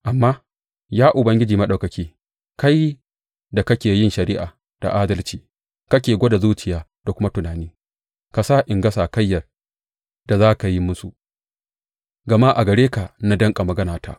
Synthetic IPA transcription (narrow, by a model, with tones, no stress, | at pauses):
ʔa˨mːaː˦ | jaː˦ʔʊ˨bɐ˦ŋɡʲɪ˦d͡ʒiː˨mɐ˦ɗa˨wkɐ˨kʲiː˦ | ka˦j | da˨kɐ˦kʲeː˨jɪ˦˨nʃɐ˨ɾɪ˦ʔaː˨ | d̥a̰˨ʔaː˦dɐ˦lt͡ʃiː˨ | kɐ˦k̬ʲeː˨ɡʷo˦da˨zuː˦t͡ʃɪ˨jaː˦d̥a˨kʷʊ˦ma˦tʊ˨naː˨niː˦ | ka˨sa˦ʔɪ˨ŋɡɐ˦saː˨kɐ˦jːɐ˨r | d̥a˨zaː˦ka˨ji˦mʊ˦su˨ | ɡɐ˨maː˦ʔa˨ɡɐ˨ɽeː˦ka˨na˦dɐ˦ŋkʼa˨mɐ˨ɡɐ˦naː˨ta̰˦˨ʔ